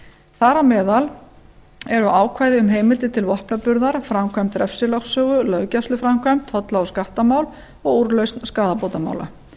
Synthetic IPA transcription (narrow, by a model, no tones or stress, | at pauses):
θaɾamɛːðal | ɛɾʏʔaːwkʰvaːjðɪʏmɦeːjmɪlt̪ɪt̪ʰɪlvɔhpnapʏɾðaɾ̥fɾamkʰvajm̥t̪ɾɛfsɪlɔxsœːɣʏlœɥcast̪ʏfɾamkʰvajm̥t̪hɔt̪laɔskaht̪amaːwl | ɔɣuɾlœɥstnskaːðapowt̪ama̰wla̰